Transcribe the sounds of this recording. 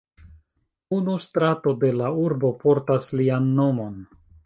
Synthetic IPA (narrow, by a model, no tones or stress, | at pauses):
unustɾato̞de̞lauɾbo̞po̞ɾtaslianːo̞mo̞n